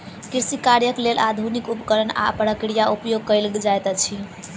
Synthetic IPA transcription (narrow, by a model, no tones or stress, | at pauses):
kiɾsikaɾjəklelad̪ʱunikupkəɾəna̰pɾəkɾijaupjoɡ̚kəjld͡ʒajt̪ət͡ʃʰi